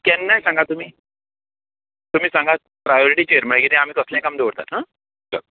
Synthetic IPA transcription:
kɛ̃nːajsãŋɡat̪um̤iː | t̪um̤iːsãŋɡa | pɾajɔɾiʈiːt͡ɕeəɾməɭkit̪ĩam̤iːkəslẽkamd̪eʋəɽt̪a̰t̪ɦã | t͡ɕʰa̰

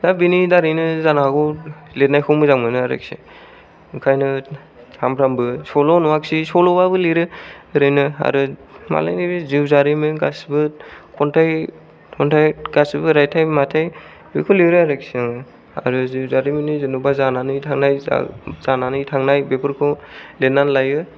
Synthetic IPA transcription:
zabinidaɾinɯzanaɡɔlet̚najkʰɔmɯzaŋmɯnɯaɾɯ̰k̚sḭ | ukʰajnɯ | sʰampʰɾambɯsɔlɔnɔaksisɔlɔbabɯliɾɯɾɯjnɯa̰ɾuma̰la̰jnibiziwzaɾimɯnɡasbɯkʰɔntʰaj | tʰɔntʰajɡ̥asbɯɾajtʰajmatʰaj | bɯkʰɔliɾɯaɾɯksinaŋɯ | a̰ɾuziwzaɾimɯnɯzɯnubazananɯjtʰaŋnaja̰zananɯjtʰaŋnajbepʰɯɾkʰɔlet̚nanlajɯ

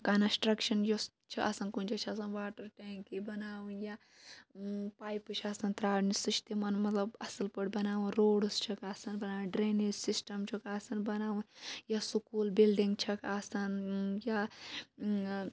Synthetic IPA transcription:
kɐnɐsʈɾɐkʃɐnjos | t͡ʃʰiʔɐsɐnkunt͡ʃʰat͡ʃʰiɐsɐnʋaːʈɐɾʈeːŋkibɐnaːwunja | paːjpɨt͡ʃʰiɐsɐnt̪ɾaːɽnisiʃt̪imɐnmɐt̪lɐbɐsɨlpɐɽʲbɐnaːʋunɾoːɽst͡ʃʰɐkɐsɐnbɐnaːʋunɖɾeːnisisʈɐmt͡ʃʰukɐsɐnbɐnaːʋunjasukuːlbilɖiŋɡt͡ʃʰɐkɐsɐnja

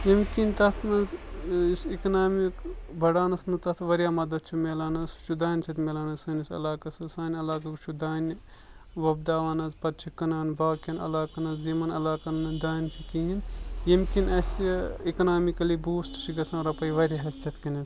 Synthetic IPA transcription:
jɐmkint̪ɐt̪ʰmɐnzsiknaːmikbʱɐɽaːnɐsmɐzt̪ɐt̪ʰʋɐɾijaːmɐd̪ɐt̪̚t͡ʃʰumeːlaːnɐst͡ʃʰud̪aːnʲt͡ʃʰɐt̪meːlaːnɐsɐːnisɐ̰laːkɐsɐsaːnʲɐlaːkɐkt͡ʃʰud̪aːnʲ | ʋɐb̚d̪aːʋaːnɐzpɐɾt͡ʃʰikːɐnaːnbaːkɐnɐ̰laːkɐnɐzzimɐnɐlaːkɐnɐd̪aːnʲt͡ʃʰikiinjɐmkinɐsikɐnaːmikɐlibuːsʈt͡ʃʰiɡɐsãːɾɐpɐjʋɐɾʲiɦɐsʲt̪ʲʰɐt̪ʰkɐnɐz

